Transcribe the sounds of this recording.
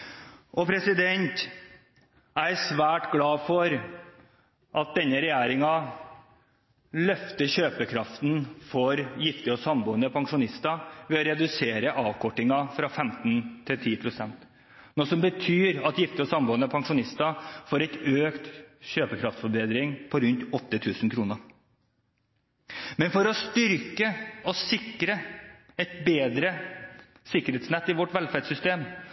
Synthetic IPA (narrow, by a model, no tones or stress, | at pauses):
ʔɔpʰɾɛsɪd̪ɛnt̪ | æsʋæːʈɡlɑːfɔɾ | ʔɑt̪̚d̪ɛnːəɾɛjæːɾɪŋɑ | lœft̪əɕøːpəkʰɾɑft̪nfɔɾjɪft̪ɪɔsɑmbuːnəpʰɑŋʂʊnɪst̪ɑʋɛɔɾɛd̪ʉseːɾəʔɑːʋkʰɔʈːɪŋɑfɾɑfɛmt̪nt̪ʰɪlt̪ʰiːpʰɾʊsɛnt̪ | nɔːsɔmbət̪ʰyːɾɑt̪jɪft̪ɪɔsɑmbuːənəpʰɑŋʂʊnɪst̪ɑfoːɾɛɪt̪øːkt̪ɕøːpəkʰɾɑft̪fɔɾbeːd̪ɾɪŋpʰɔɾʉnt̪ɔt̪ːət̪ʰʉːsn̩kʰɾuːnəɾ | mɛnfɔɾɔst̪ʏɾkəɔsɪkɾə | ɛt̪beːd̪ɾə | sɪkːəɾheːt̪snɛt̪ːɪʋɔʈʋɛlfæd̪sʏst̪eːm